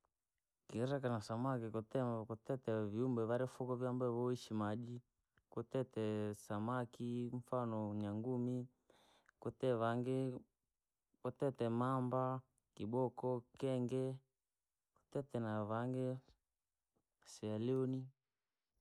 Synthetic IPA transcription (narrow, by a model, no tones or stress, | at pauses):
kiɾakanasamakikutɛmkutɛtɛviumbɛβaɾɛfukɔvjambɛβɔiʃimaʄi | kutɛtɛsamakiɱ̩fanɔɲaŋɡumi | kutɛβaŋɡɛ | kɔtɛtɛmamba | kiɓɔkɔkɛŋɡɛ | ku̥tɛtɛnaβaŋɡɛ | sɛaliɔni